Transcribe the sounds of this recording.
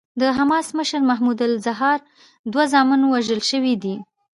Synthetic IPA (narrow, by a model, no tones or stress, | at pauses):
d̪əɦamɑsməʃəɾmaɦmud̪alzaɦɑɾ | d̪wazɑmɪnowaʒəlʃəwid̪i